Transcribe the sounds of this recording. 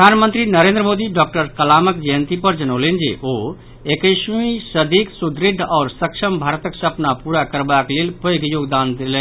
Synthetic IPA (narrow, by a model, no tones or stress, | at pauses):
əd̪ʱaːnmə̃nt̪ɾinəɾẽnd̪ɾəmoːd̪iɖɔːk̚ʈəɾkəlaːməkd͡ʒəjə̃nt̪ipəɾd͡ʒənolend͡ʒḛʔoː | ekəɪʃmisəd̪iːksud̪ɾɪɖʱɔːɾsəkʃəmbʱaːɾt̪əksəpnapuːɾakəɾbakleːlpəoɡjoːɡd̪aːnd̪eleː